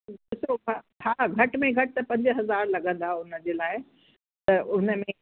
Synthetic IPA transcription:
dɪsoɦa | ɦaːɡʱɐʈmẽɡʱɐʈɪt̪ɐpɐ̃ɲd͡ʑəɦɐzaːɾlɐɠə̃n̆d̪aʊnə̆d͡ʑeːlaːɪ | t̪ɐʔʊnə̆mẽ

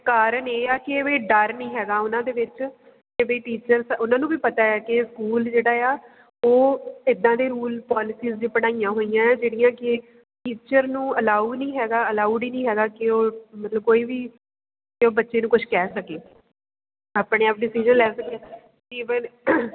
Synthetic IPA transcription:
kaːɾəɳeːaːkɪʋeːɖəɾnĩːɦɛːɡaːʊnãːd̪eːʋɪt͡ʃ | ebeiːʈiːt͡ʃəɾsʊnãːnũːbiːpət̪aːaːkɪskuːld͡ʒeːɽaːjaː | oːɪd̪ãːd̪eːɾuːlpaːlɪsiːzd͡ʒiːpəɽ̃aːijãːɦoːijãːd͡ʒeːɽɪjãːkɪ | ʈiːt͡ʃəɾnũːəlaːunĩːɦɛːɡaːəlaːuːɖiːnĩːɦɛːɡaːkɪoːmət̪ləb̚koːiːʋiː | kɪoːbətːʃeːnũːkʊʃʰkɛːsəkeː | aːpɽẽːaːpɖɪsid͡ʒənlɛːsəkːɛː | iːʋən

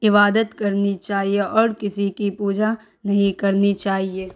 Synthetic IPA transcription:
ɪβaːd̪ət̪kɐɾnit͡ʃaːɦieʔɔːɾkɪsikipuːd͡ʒa | nɐɦĩkɐɾnit͡ʃaːɦieː

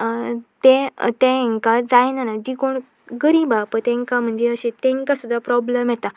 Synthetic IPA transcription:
t̪ẽt̪ɛ̃ŋkad͡zajnanad͡ʑikoɳ | ɡəɾibapəɳt̪ɛ̃ŋkam̤əɳd͡zeəɕẽt̪ɛ̃ŋkasud̪ʱːapɾɔbləmjɛt̪a

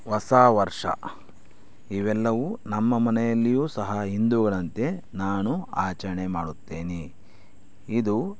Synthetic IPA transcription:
ʋɐsaːʋɐɾʂɐ̰ | iʋɛlːɐʋunɐmːɐmɐnɛjɐlːijuːsɐɦɐɦind̪uɡɐɭɐnt̪e̞naːnuaːt͡ʃɐɾɐɳemaːɽut̪ːeːni | id̪u

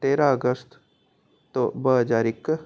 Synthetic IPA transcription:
t̪eːɾaəɡəst̪ | t̪obəɦəd͡ʒaːɾɪkː

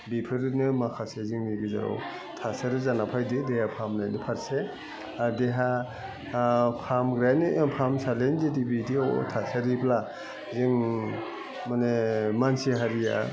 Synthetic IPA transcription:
bipʰɯɾɯnɯmakʰaseziŋniɡiza̰ɾɔ̰w | tʰasaɾɯzanapʰajdɯdehapʰamlajndɯpʰaɾse | adeɦa | pʰamɡɾanɯʔpʰamsalendidibidio̰tʰasaɾipla | ziŋ | manemansiɦaɾija̰

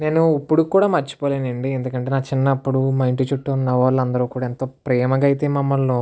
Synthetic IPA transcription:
ne̞ːnuɐpːuɽukuːɽaːmɐɾt͡ʃːu̥poːleːnɐɳɖiend̪ukɐɳʈeːnaːkt͡ʃinːɐːpːuɽumɐjɳʈit͡ʃuʈːunːɐʋaːlːɐnd̪ɐɾuːkuːɽaːent̪oːpɾɛːmɐɡɐjit̪e̞ːmɐmːɐlno

